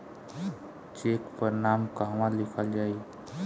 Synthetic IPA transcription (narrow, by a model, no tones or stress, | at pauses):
t͡ʃeːkpəɾnaːmkaɦʋãlɪkʰəld͡ʒaːi